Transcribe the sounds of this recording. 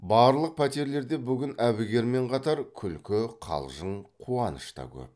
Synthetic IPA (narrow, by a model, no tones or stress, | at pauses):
bɑːɾlˠəq̚pʰæt̪eɾle̞ɾd̪e̞bʏɡʲɪnæbɪɡʲe̞ɾme̞ɴqʰɑt̪ɑɾkʲʰʏlkʲɪqʰɑ̰lˠʒəɴqʰuɑnə̰ʃt̪ɑ̰kʲʰɵ̰p̚